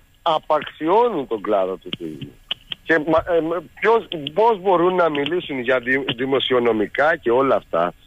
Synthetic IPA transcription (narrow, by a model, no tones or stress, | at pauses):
ɐpɐksio̞nint̪o̞ɡlɐðot̪ut̪uʝṵce̞mɐpçospo̞zbo̞ɾunːɐmilisunʝɐðiðimo̞sio̞no̞mikɐce̞o̞lɐːft̪ɐ̰